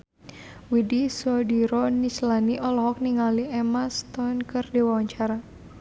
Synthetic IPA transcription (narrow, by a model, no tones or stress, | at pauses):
widisɔdiɾɔnislaniʔɔlɔɦɔk̚niŋaliʔɛmast̪ɔnkɨrdewawaɲt͡ʃaɾa